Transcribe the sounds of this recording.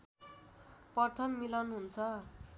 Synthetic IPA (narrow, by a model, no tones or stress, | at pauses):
pʌrt̪ʰʌmːilʌnɦunt͡sʰʌ